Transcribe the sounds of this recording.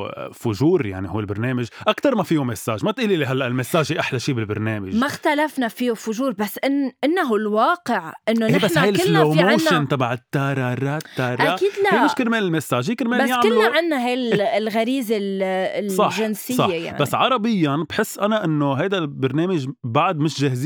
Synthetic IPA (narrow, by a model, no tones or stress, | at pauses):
fʊʒuːɾja̰ʕnihuːɪlbɪɾneːmɪʒʔakt̪ɑɾˤmafiːumesːaːʒmat̪ʔiːliliɦalːaʔɪlmesːaːʒiʔaħlaʃiːbɪlbɪ̰ɾneːmɪʒmaxt̪alafnafiːufʊʒuːɾbasːʔɪnʔɪnːaɦʊlwɑːqɪʕʔɪnːonebasnːhajɪsllomoːʃɪnt̪ˤɑbaʕɪt̪ːaːɾˤɑɾˤat̪ːaɾˤʔaakiːd̪laemɪʃkɪlmeːnɪlmesːaːʒikɪɾmeːbanjaʕmɪluaʕɪnːaɦajlɣaɾiːzɪllsˤɑħʒɪnsɪjˤɑːeja̰ʕbasːʕɑɾˤɑbɪjːanbħɪsːʔanaʔɪnːoɦajd̪albɪɾneːmɪʒbaʕd̪mɪʃʒahzi